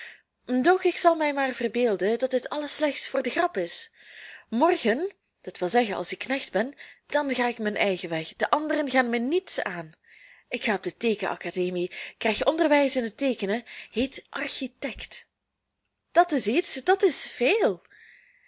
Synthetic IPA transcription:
dɔχɪksɑlˠmɛjmaːrvərbeːlˠdədɑt̚dɪtɑləslɛxtsfʊːrdəxrɑpɪs | mɔrɣən | d̥ɑtʋɪlˠzɛɣənɑ̰lˠsɪkːnɛxdbɛnd̥ɑnɣaːɪkmɛnʔɛjɣəʋɛxd̥əʔɑndərənɣaːnmɛnitsaːn | ɪkxaːɔb̚dəteːkəʔɑ̰kaːdeːmikrɛjxɔndərʋɛjsɪnɦəteːkənəɦetʔɑrxitɛkt | d̥ɑtɪsitsd̥ɑtɪsfeːlˠ

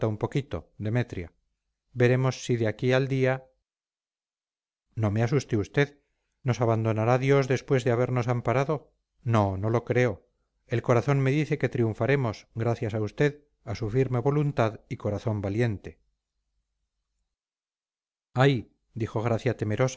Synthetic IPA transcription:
t̪aumpo̞kit̪o̞d̪e̞me̞t̪ɾja | be̞ɾe̞mo̞sːiðeakiald̪ia | no̞measust̪eust̪e̞ð | no̞saβand̪o̞naɾaðjo̞zðespwe̞zðeaβe̞ɾno̞sampaɾaðo̞ | no̞no̞lo̞kɾe̞o̞ | e̞lko̞ɾaθo̞nme̞ðiθe̞ke̞t̪ɾiuɱfaɾe̞mo̞sɡɾaθjasaust̪e̞ð | asufiɾme̞βo̞lunt̪aðiko̞ɾaθo̞mbalje̞nt̪e̞̥ | aj | d̪ixo̞ɣ̞ɾaθjat̪e̞me̞ɾo̞s

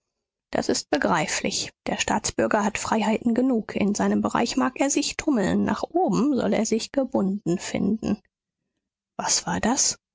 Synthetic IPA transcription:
d̥a̰sɪst̚b̥əɡʁaɪflɪ̰çd̥eːɐʃta̰ːt͡sb̥ʏɐɡɐɦatfʁ̥aɪɦaɪtn̩ɡənuːkʰɪ̰nzaɪnəmbəʁa̰ɪçmaːkʔeːɐzɪçtʰʊml̩nːa̰ːχʔoːbm̩zɔ̰leːɐzɪçɡ̥əbʊndn̩fɪ̰ndn̩ | v̥asv̥aːɐdas

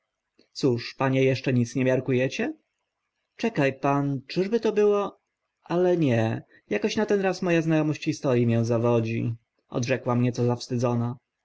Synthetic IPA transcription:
t̪suʂpaɲɛjɛʂt͡ʂɛɲit̪sɲɛmʲjaɾkujɛt͡ɕɛ | t͡ʂɛkajpant͡ʂɘʐbɘt̪ɔbɘwɔ | ʔalɛɲɛ | jakɔɕnat̪ɛnɾasmɔjaznajɔmɔɕt͡ɕxist̪ɔɾʲjimʲjɛw̃zavɔd͡ʑḭ | ʔɔ̰d̪ʐɛkwamɲɛt̪sɔzafst̪ɘd̪zɔna

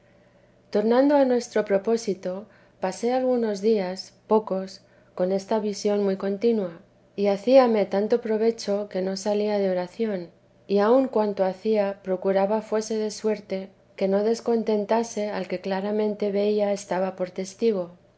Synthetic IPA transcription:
t̪o̞ɾnãnd̪oanwe̞st̪ɾo̞pɾo̞po̞sit̪o̞ | pase̞alɣuno̞zðiaspo̞ko̞s | ko̞ne̞st̪aβisjo̞nmujko̞nt̪inwa | iaθiame̞t̪ant̪o̞pɾo̞β̞e̞t͡ʃo̞ke̞no̞saliaðeo̞ɾaθjo̞n | iauŋkwant̪oaθiapɾo̞kuɾaβafwe̞se̞ðe̞swe̞ɾt̪e̞ | ke̞no̞ðe̞sko̞nt̪e̞nt̪ase̞alke̞klaɾamẽ̞nt̪e̞βe̞iae̞st̪aβapo̞ɾt̪e̞st̪iɣ̞o̞

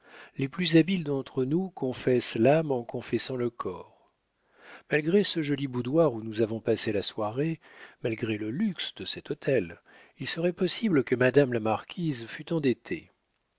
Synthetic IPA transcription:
leplyzabild̪ɑ̃t̪χənukɔ̃fɛslamɑ̃kɔ̃fɛsɑ̃ləkʰɔːʁ | malɡʁesəʒɔlibud̪waʁunuzavɔ̃paselaswaʁe | malɡʁeləlyksd̪̥əsɛt̪ot̪ʰɛl | ilsəʁɛpɔsibləkəmad̪amlamaʁkʲizfyt̪ɑ̃d̪et̪ʰḛ

